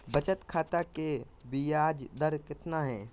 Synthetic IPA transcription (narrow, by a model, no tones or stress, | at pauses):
bɐt͡ʃət̪kʰaːt̪ake | bijaːd͡ʒd̪əɾkɪt̪naɦɛ̃ː